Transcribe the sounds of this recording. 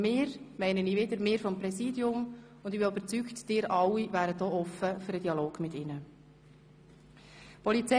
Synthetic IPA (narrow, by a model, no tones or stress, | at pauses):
mɪːɾmɛɪnəniːʋɪdəɾmɪːɾfɔmpɾɛsiːdjʊm | ʊndɪbinybəɾt͡syːktd̥ɪːɾʔɑlːivæːɾət̚d̥ɔːʔɔfːəfʏɾədiɑloːɡ̥mɪtɪnə | pʰɔlit͡sɛ